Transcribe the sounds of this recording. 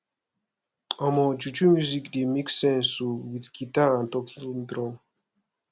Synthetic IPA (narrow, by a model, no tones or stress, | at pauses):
ɔmɔd͡ʒut͡ʃumjuzikd̪emiksɛ̃nsuwit̪ɡitaãnt̪ɔkʰilmd̪ɾɔm